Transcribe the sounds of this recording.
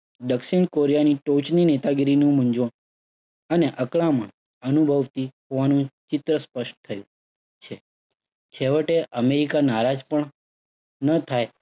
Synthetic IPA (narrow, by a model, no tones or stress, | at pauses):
ɖəksiɳkoɾijaniʈot͡ʃninet̪aɡɾinũməɲd͡ʒon | əneʔəkɭamə̰̃ɳ | ənubʱəʋt̪iɦoʋanũt͡ʃɪt̪ɾəspəʃʈt̪ʰəjũ | t͡ʃʰe | t͡ʃʰeʋəʈeʔəmeɾikanaɾad͡ʒpəɳ | nət̪ʰaj